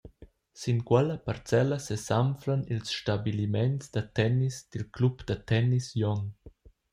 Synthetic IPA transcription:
sinkwɛləpaɾt͡sɛləsesamfɾanilsʃtabilimɛnsd̪at̪ɛnisd̪̥ilklupd̪̥at̪ɛnisjɔŋ

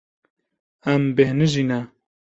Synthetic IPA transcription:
æmbehnɨʒinɛ

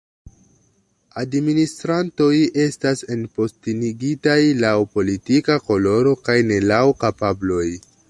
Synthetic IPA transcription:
administɾanto̞je̞stase̞npo̞stiniɡitajlawpo̞litikako̞lo̞ɾo̞kajne̞lawkapablo̞j

